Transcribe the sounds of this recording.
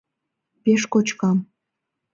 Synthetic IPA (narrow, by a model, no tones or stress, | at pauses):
peʃkot͡ɕkɑm